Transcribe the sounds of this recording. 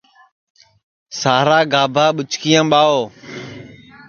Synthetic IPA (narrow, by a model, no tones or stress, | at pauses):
saːɾaːɡaːbʱaːɓʊt͡ʃʰkɪjãːɓaːoː